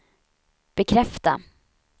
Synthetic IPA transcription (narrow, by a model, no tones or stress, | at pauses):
b̥ɛkʰɾɛft̪a̰